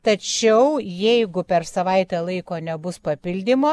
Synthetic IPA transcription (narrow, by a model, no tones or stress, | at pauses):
t̪ɐt͡ʃʲɛʊjɛɪɡʊpʲɛrsɐʋɐɪt̪ʲɛːlˠɐɪkoːnʲɛbʊspɐpʲɪlʲd̪ʲɪmoː